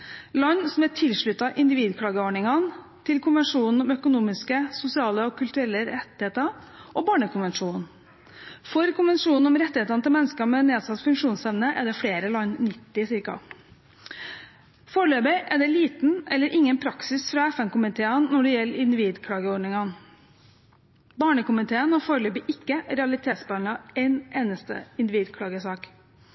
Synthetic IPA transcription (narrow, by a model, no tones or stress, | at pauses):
lɔnːsɔmæʈʰɪlʂɭʉt̪ːɑʔɪnd̪ɪʋiːd̪kʰɽɑːɡəɔɳɪŋɑn | t̪ʰɪlkʰʊnʋɛɳʂuːnn̩ɔmœkʊnuːmɪskəsʊsɪɑːləɔkʰʉlt̪ʉɾɛlːəɾɛt̪ːɪheːt̪ɑʔɔbɑːɳəkʰʊnʋɛnʂuːn | fɔɾkʰʊnʋɛnʂuːnn̩ɔmɾɛt̪ːɪheːt̪ɑnət̪ɪlmɛnːəskəmɛneːd̪sɑt̪ːfʉŋkʂuːnsɛmnəʔɛ̰d̪ɛfɽeːɾəlɑɲːnɪt̪ːɪsɪɾkɑ̰ | foːɾɭøːbɪʔɛd̪ɛliːt̪n̩ɛlːəɾʔɪŋːənpʰɾɑksɪsfɾɑɛfɛnkʊmɪt̪ʰeːɑnːɔɖɛjɛlːɪnd̪ɪʋiːd̪kʰɽɑːɡəɔɖɳɪŋɑn | bɑːɳəkʊmɪt̪ʰeːənɔfoːɾɭøːbɪʔɪkːəɾɛɑlɪt̪ʰeːt̪sbɑnəɛneːnəst̪ə̰ɪnd̪ɪʋiːd̪kʰɽɑːɡəsɑːk